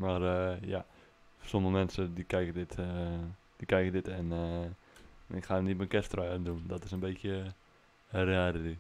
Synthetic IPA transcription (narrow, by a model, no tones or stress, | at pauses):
marəja | somələmɛnsədikɛjkədɪt | d̥ikɛjkədɪtɛn | ɪkxanitmənkɛstrœndundɔtɪsənbeːtjə | rɛːdədi